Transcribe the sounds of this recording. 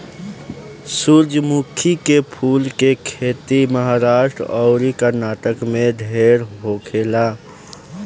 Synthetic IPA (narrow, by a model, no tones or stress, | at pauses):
suɾd͡ʒʱəmukʰikepʰulkekʰet̪iməɦaɾaʃʈɾɔʊɾikəɾnaʈəkmed̪ʱeɾɦokʰela